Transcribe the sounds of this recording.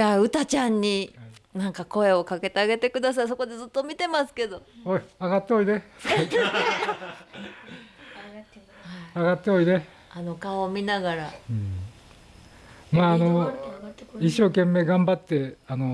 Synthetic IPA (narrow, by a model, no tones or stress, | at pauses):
aɯ̟t̪at͡ɕãɲ̟ːinãŋkako̞e̞o̞kake̞t̪e̞aɡe̞t̪e̞kɯ̟d̪as̬ais̬o̞ko̞d̪e̞zɨt̪ːo̞mʲit̪e̞masɨ̥ke̞d̪o̞oiaɡat̪ːeoid̪e | aɡat̪ːe̞oine | ano̞kaomʲinaɡaɾaɯ̃ː | maːno | iɕːo̞ːkẽ̞mːe̞ːɡãmbat̪ːe̞ano